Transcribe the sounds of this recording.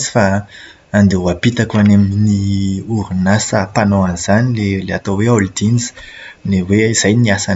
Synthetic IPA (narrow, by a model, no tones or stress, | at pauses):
zi̥fa | and̪euapit̪akuaneminiuɾunasəpanoaniz̥anileleat̪oweold̪iniz̥ | neweiz̥ajniasan